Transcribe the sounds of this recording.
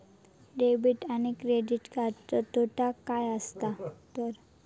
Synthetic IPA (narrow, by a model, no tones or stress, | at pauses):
ɖebiʈanekɾeɖiʈkatɔt̪oʈakajast̪at̪ɔɾ